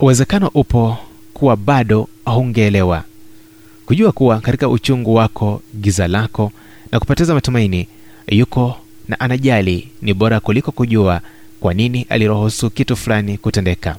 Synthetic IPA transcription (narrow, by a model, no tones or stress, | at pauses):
uwɛzɛkanɔʔupɔ | kuwaɓaɗɔ | ahuŋɡɛːlɛwa | kuʄuakuwakatikaʔut͡ʃuŋɡuwakʰɔɠizalakɔ | nʔaku̥pɔtɛzamatumaini | jukɔ | na̰ʔanaʄaliniɓɔɾakulikɔkuʄua | kwaniniʔa̰liɾɔhɔsukitufulanikutɛndɛka